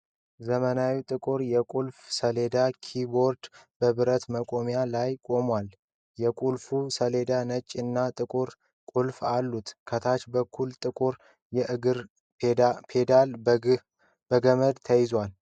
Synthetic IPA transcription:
zəmənawit̪ʼɨkʼuɾjɛkʼulfsəled̪akʰibo̞ɾd̪bəβɨɾət̪məkʼomjalajkʼo̞mwal | jɛkʼulfusəle̞d̪anət͡ʃʼːɨnːat̪ʼɨkʼuɾ | kʼulfalːut̪kʰət̪ʰat͡ʃbəkʰːult̪ʼɨkʼuɾ | jɛʔɨɡɨɾ | pʰed̪al | b̥əɡəməd̪t̪ʰəjɪzwal

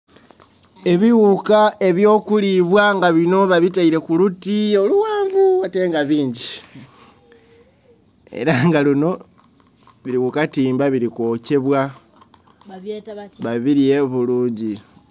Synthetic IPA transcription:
e̞βiwukae̞βjo̞ːkuliβwaŋɡaβino̞βaβit̬aiɾe̞kulutio̞luwaːɱvuate̞ŋɡaβiːɲɟi | ḛɾaŋɡalino̞ | βiɾiwukatiːmbaβiɾiko̞ːce̞βwa | βaβiɾie̞βuluːɲɟi

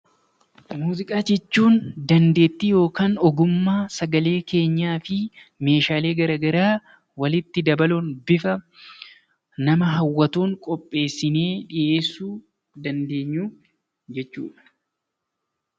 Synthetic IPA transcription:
muːzɪkʼaːd͡ʒɛt͡ʃːuːnd̪ɐnd̪e̞ːt̪ːijo̞ːkaːnɔɡʊmːaːsɐɡɐle̞ːke̞ːɲːaːfɪme̞ːʃaːle̞ːɡɐɾaːɡɐɾaː | wɐlɪt̪ːɪd̪ɐbɐlunbɪfɐ | nɐmɐɦɐwːɐt̪uːŋkʼɔpʼːe̞ːsːɪne̞ːᶑɪʔe̞ːsːuː | d̪ɐnd̪e̞ːɲːuː | d͡ʒɛt͡ʃːṵːᶑɐ̥

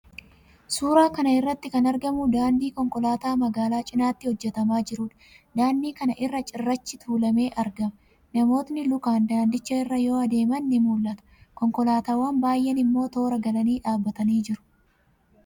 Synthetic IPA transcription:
suːɾaːkɐnɐɪrːɐt̪ːɪkɐnɐɾɡɐmʊd̪aːnd̪iːkɔŋkʼɔlaːt̪aːmɐɡaːlaːt͡ʃʼɪnaːt̪ːɪhɔd͡ʒːɛt̪ɐmaːd͡ʒɪɾuːᶑɐ̥ | d̪aːnd̪iːkɐnɐʔɪrːɐt͡ʃʼɪrːɐt͡ʃːɪt̪ʰuːlɐme̞ːʔɐɾɡɐm | nɐmo̞ːt̪nɪlʊkaːnd̪aːnd̪ɪt͡ʃːɐɪrːɐjo̞ːɐd̪e̞ːmɐnːɪmuːlʔɐt̪ɐ̥kɔŋkɔlaːt̪aːwɐnbaːjʔːɛnɪmːo̞ːt̪o̞ːɾɐɡɐlɐniːᶑaːbːɐt̪ɐniːd͡ʒɪɾʊ̥

